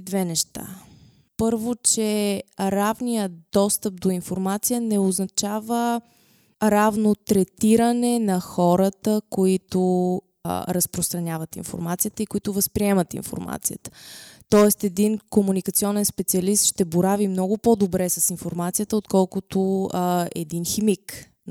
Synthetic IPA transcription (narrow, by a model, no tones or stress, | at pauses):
d̪vɛnɛʃt̪a̰ | pɤɾvot͡ʃɛɾavnijəd̪ɔst̪əp̚d̪oinfoɾmat̪sijənɛoznɐt͡ʃavə | ɾavnot̪ɾɛt̪iɾənɛnɐxɔɾət̪əkoit̪o | ɾəspɾost̪ɾɐnʲavət̪ḭnfo̰ɾmat̪sijət̪əikoit̪ʊvəspɾiɛmət̪ḭnfo̰ɾma̰t̪sijə̰t̪ə̥t̪ɔɛst̪ɛd̪inkomunikət̪siɔnɛnspɛt̪siɐlist̪ʃt̪ɛboɾavimnɔɡʊpod̪obɾɛsəsinfoɾmat̪sijət̪əot̪kɔlˠkʊt̪o | ɛ̰d̪inximik